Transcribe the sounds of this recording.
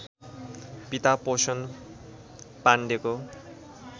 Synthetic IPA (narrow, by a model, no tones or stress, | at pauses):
pit̪aposʌn | paɳɖeko